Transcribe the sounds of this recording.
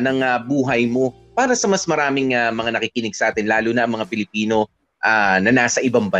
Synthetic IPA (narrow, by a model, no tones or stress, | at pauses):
nɐŋɐbuːɦɐjmo̞ | paːɾɐsɐmɐsmɐɾaːmɪŋamɐŋanɐkikɪnɪɡ̚sɐʔaːt̪ɪnlaːluːnɐʔɐŋmɐŋapɪlɪpiːno̞ | ʔanɐnaːsɐʔɪbɐŋbɐ